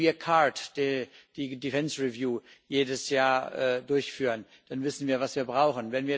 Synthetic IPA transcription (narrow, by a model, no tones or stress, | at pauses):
iːɐkʰatd̥ed̥iːdifɛnsʁivjuːjeːdəsjaːɐʔɛːdʊɐçfyːʁən | d̥anvɪsn̩viːɐvasv̥iːɐbʁaʊxən̩vɛnviːɐ